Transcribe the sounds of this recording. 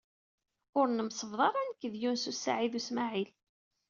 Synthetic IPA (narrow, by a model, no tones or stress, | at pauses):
ʊɾnəmsˤəvðˤɑɾˤænkːəðjunsusːa̰ʕiðusmaʕil